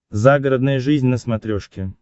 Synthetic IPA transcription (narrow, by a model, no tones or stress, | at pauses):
zaɡəɾəd̪nəjəʐɨzʲnʲnəsmɐt̪ɾʲoʂkʲɪ